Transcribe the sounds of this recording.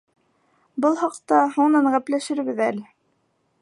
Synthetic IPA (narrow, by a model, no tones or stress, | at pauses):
bɤlˠhɑqt̪ɑhuɴnɑɴʁæplæʃɘ̆ɾbɘðælɘ